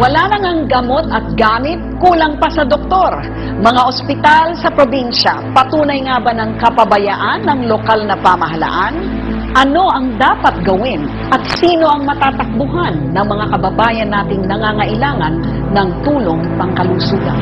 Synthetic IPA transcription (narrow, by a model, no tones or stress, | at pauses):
wɐlanɐŋaŋɡɐmo̞t̪ɐt̪̚ɡaːmɪt̪̚kuːlɐŋpɐsɐd̪ok̚t̪o̞ɾ | mɐŋaʔospɪt̪alsɐpɾobinʃɐpɐt̪uːnɐjŋabanɐŋkɐpɐbɐjaʔanːɐŋlokalnɐpamɐɦɐla̰ʔan | ʔɐno̞ʔɐŋd̪aːpɐt̪̚ɡɐwɪn | ʔɐt̪̚siːno̞ʔɐŋmɐt̪aːt̪ɐk̚bʊɦanːɐŋmɐŋakɐbɐbaːjɐnːaːt̪ɪŋnɐŋaŋɐʔɪlaːŋɐnː | ɐŋt̪uːlo̞ŋ | ɐŋkɐlusuːɡ̪ɐ̰n